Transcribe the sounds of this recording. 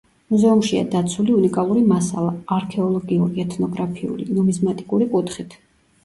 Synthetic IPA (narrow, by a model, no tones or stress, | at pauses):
muzɛumʃia̰d̪at̪sʰuliunikʼalˠuɾimasa̰lˠaːɾkʰɛɔlˠɔɡiuɾiɛt̪ʰnɔɡɾapʰiṵlḭnɔmizmat̪ʼikʼuɾikʼut̪ʰχit̪ʰ